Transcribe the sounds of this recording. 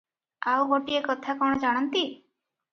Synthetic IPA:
awɡoʈiekɔt̪ʰakɔɽ̃ɔd͡ʒaɽ̃ɔnt̪i

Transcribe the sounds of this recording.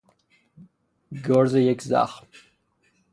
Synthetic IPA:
ɡorzɐjɛkʲza̰ːχ

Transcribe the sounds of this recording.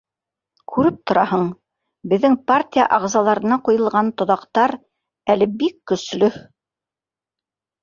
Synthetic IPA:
kʰʉɾɘp̚t̪ŏɾɑhɤɴ | bɘ̆ðːɘŋpartʲija̰ʔɑʁzɑlˠɑɾɤ̆nɑqujɤ̆lˠʁɑnt̪ŏðɑqt̪ɑɾ | ælɘbikːɵ̆slɵ

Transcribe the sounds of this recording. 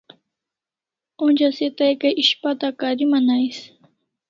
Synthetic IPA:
ʊnd͡ʒaset̪ajkaʔɪʃpat̪akaɾimanajs

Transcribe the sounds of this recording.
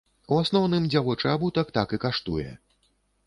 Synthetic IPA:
uasnɔwnɨmd͡zʲawɔt͡ʂabut̪akt̪akɨkaʂt̪ujɛ̰

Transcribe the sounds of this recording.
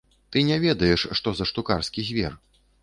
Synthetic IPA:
t̪ɨnʲɛvʲɛd̪ɐjɛʂːt̪ɔzɐʂt̪ukarskʲizʲvʲɛ̰r

